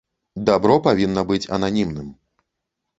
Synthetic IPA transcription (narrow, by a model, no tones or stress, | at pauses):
d̪abɾɔpavʲinːɐbɨt͡sʲɐ̰nanʲimnɨm